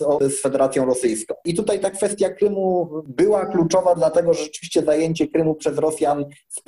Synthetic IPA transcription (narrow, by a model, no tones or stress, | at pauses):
ɔsfɛd̪ɛɾat̪sʲjɔ̃w̃ɾɔsɘjskɔ̃w̃it̪ut̪ajt̪akfɛst̪ʲjakɾɘmubɘwaklut͡ʂɔvad̪lat̪ɛɡɔʐɛʐɛt͡ʂɘ̥vʲiɕt͡ɕɛzajeɲt͡ɕɛkɾɘmupʂɛzɾɔsʲjansp